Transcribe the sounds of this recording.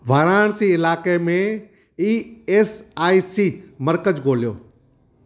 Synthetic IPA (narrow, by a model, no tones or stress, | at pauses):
ʋaːɾaːɳ̃siːɪlaːkemẽ | iːeːsaːisiːmɐɾkəd͡ʑɡoːlijo̰ː